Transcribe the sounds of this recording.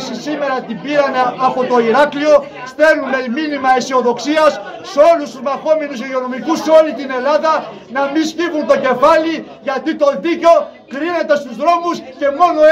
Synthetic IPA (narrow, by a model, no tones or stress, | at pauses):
sisime̞ɾɐt̪ibiɾɐneɐpo̞t̪o̞iɾɐklio̞ | st̪e̞numeminimɐesio̞ðo̞ksiɐsː | eo̞lust̪uzmɐxo̞me̞nuseio̞no̞mikuseo̞lit̪ine̞lɐðɐ | nɐmiscivunt̪o̞ce̞fɐli | ʝɐt̪it̪o̞ðico̞ | kɾine̞t̪e̞st̪uzðɾo̞musce̞mo̞no̞